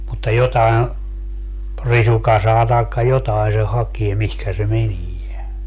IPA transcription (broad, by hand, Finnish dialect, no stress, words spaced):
mutːɑ jotɑi̯n̞ risukɑsɑː tɑˑi̯kːɑ jotɑi se hɑkie mihkæ se menie